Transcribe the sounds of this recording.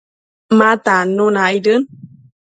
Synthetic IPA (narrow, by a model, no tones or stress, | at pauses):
matanunaidɨn